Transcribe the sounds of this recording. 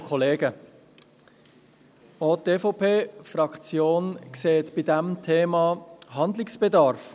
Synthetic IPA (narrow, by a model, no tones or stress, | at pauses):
kʰɔleːɡə | ot̪ːeːfopʰeːfɾɑkt͡sjoːnkseːt̪b̥idɛmtʰeːmɑɦɑnd̪lɪksb̥edɑɾf